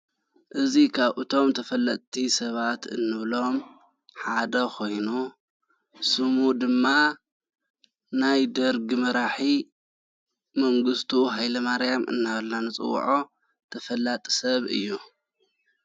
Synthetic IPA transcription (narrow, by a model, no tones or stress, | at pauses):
ʔɨzikʰaβʔɨt̪ʰo̞mt̪ʰɐfɐlːɐt̪ʼt̪ʰisɐβat̪ɨ̰nːɨβlo̞m | ħad̪ɐkʰo̞jnu | sɨmud̪ɨmːa | najd̪ɐɾɡimɐɾaħi | mɐŋɡɨst̪ʰuɦajlɐmaɾjamʔɨ̰nːaβɐlnanɨt͡sʼɨ̰w̰ːʕo̞ | t̪ʰɐfɐlːat̪ʼi̥sɐβɨ̰jːu